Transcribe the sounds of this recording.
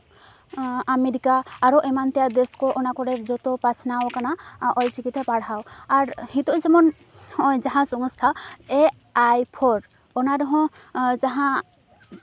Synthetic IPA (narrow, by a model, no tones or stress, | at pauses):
ameɾikaːɾɔʔɛmant̪ɛjad̪eskɔʔɔnakɔɽɛɾd͡ʒɔt̪ɔpasʰnawɔkanaɔjt͡ʃikit̪ʰɛpaɽɦawaɾhit̪ɔd͡ʒɛmɔn | ɔd͡ʒaɦãsɔŋst̪ʰaɛ | ajpʰɔɾ | ɔnaɾɔɦɔ̃ | d͡ʒaɦã